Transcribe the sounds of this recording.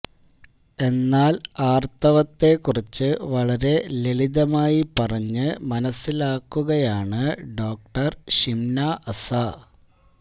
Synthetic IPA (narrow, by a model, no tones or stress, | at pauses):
e̞nːaːlaːrt̪ɐʋɐt̪ːe̞kːurit͡ɕːɨʋɐɭɐɾe̞leliðɐmaːjipɐrɐɲːɨmɐnɐsːilaːkːuɣɐjaːɳɨɖo̞ːk̚ʈɐrɕimnaʔɐsɐ